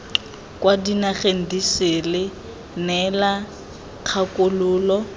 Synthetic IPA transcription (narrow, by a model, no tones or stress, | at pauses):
kʼwadinaχen̩diselɪ | nɛla | q͡χʰakʼʊlʊːlɔ